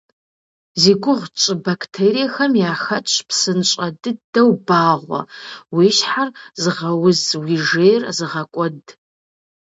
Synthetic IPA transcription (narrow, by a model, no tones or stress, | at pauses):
ziːɡʷʊʁʷt͡ʃʼɨbakʰtʰeːɾijɛxɐmjaːxɐt͡ʃt͡ʃʼpʰsɨnt͡ʃʼɐdɨdɐwbaːʁʷɔ̰wiʃħarzɨʁɐwʊzwiʒeːjrzɨʁɐkʷʼɔd